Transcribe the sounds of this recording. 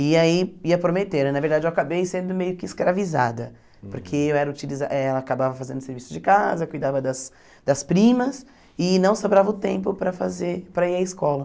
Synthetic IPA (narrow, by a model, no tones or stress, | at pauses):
ɪaiiɐpɾomet̪eɾnɐveɾd̪ad͡ʒewakabejsẽnd̪ʊmejʊkɪːskɾaviza̰d̪ɐ | poɾkʰeewɛɾɐut͡ʃilizaʔɛlɐakabavɐfazẽnd̪ʊseɾvisʊzd͡ʒɪkazɐkujd̪avɐd̪ɐs | d̪̥ɐspɾĩmɐs | ɪnɐ̃w̃sobɾavɐʊt̪ẽmpʊpɾɐfazepɾɐiɾɐɪskɔlɐ